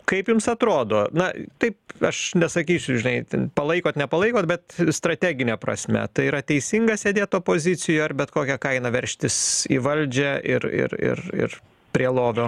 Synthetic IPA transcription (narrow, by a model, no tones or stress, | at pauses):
kɐɪpjʊmsɐt̪ɾoːd̪oːnɐt̪ɐɪpɐʃnʲɛsɐkʲiːsʲʊʒʲɪnɐɪt̪ʲnpɐlˠɐɪkoːt̪nʲɛpɐlˠɐɪkoːt̪bʲɛt̪st̪ɾɐt̪ʲæːɡʲɪnʲɛːpɾɐ̰sʲmʲɛ̰t̪ɐɪiːɾɐt̪ʲɛɪsʲiŋɡɐsʲeːd̪ʲeːt̪̚oːpoːzʲɪt͡s̪ʲɪjoːɐrbʲɛt̪koːkʲɛkɐɪnɐʋʲɛɾʲʃʲt̪ʲɪsḭːʋɐlʲd͡ʒʲɛʔɪ̰ɾɪ̰ɾɪ̰rɪ̰r | pʲɾʲiɛlˠoːʋʲoː